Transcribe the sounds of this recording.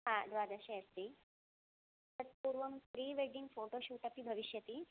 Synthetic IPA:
ɦãd̪ʋaːd̪aɕeɐst̪i | t̪ɐt̪̚puːɾʋəmfɾiːʋeɖiŋɡfoʈoɕuːʈ̪apibʱəʋiʃjɐt̪iː

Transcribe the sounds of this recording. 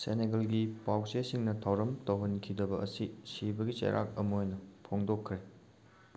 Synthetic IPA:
sḛneɡɐlɡipawsesiŋnɐtʰawɾɐmtɐwɦɐnkʰidɐbɐːsisibɐɡit͡ʃɐ̰jɾʔa̰k̚ɐmojnɐpʰoŋdokʰːɾe

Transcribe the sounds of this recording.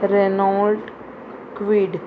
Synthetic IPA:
ɾenɔlʈ | kʋiːɖ

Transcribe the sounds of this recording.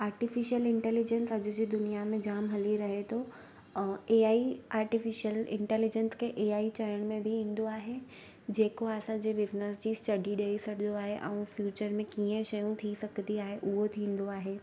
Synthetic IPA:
aːɾʈɪfɪʃijəlɪ̃ɳʈɛːlɪd͡ʑənsɐd͡ʑʊd͡ʑiːd̪ʊnijamẽd͡ʑaːmɦɐliɾɐɦet̪ʰo | eːaːiaːɾʈɪfɪʃəlɪ̰̃ɳʈɛːlɪd͡ʑənskʰeʔeːaːit͡ɕɐɾəɽ̃mẽbʱiĩːn̆d̪oaːɦe | d͡ʑeːkoaːsãd͡ʑibɪznəsd͡ʑiːsʈɐɖʱiɗeisɐɡʱɪd̪oaːɦeʔɛ̰̃ũfjuːt͡ɕəɾmẽkiə̃ʃɐjũt̪ʰisɐkʰd̪iaːɦeʔʊɦot̪ʰĩːn̆d̪oaːɦeː

